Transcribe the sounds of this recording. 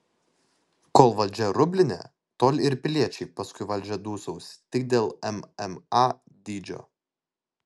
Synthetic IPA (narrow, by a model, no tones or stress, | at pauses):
koːlˠʋɐlʲˑd͡ʒʲɛɾʊbʲlʲɪnʲɛ̰ | t̪oːlʲɪɾpʲɪlʲiɛt͡ʃʲɛɪpɐskʊɪʋɐlʲd͡ʒʲɛd̪uːsɔʊst̪ʲɪk̚d̪ʲeːlˠɛmɛmɑ | d̪ʲiːd͡ʒʲo̰ː